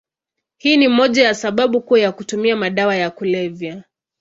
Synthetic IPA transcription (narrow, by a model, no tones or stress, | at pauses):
hiːnimɔʄajasaɓaɓukujakutumiamaɗawajakulɛvja